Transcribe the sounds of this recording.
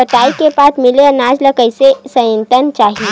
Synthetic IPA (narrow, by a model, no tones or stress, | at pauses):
əʈaːikepaːt̪mɪleɐnaːd͡ʒləkəɪsesə̃jə̃nt̪ənt͡ʃaːɦi